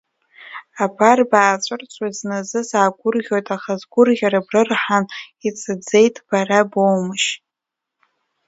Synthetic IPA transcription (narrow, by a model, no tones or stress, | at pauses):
apʰarbaːt͡ʃʷʼʊrt͡sʷʼaiznazɨsaːɡʷʊrʁʲo̞jtʼaχazɡʷʊrʁʲaɾabrɨrħanit͡sʼɨd͡ze̞jtʰʼb̥arabowmɨʃ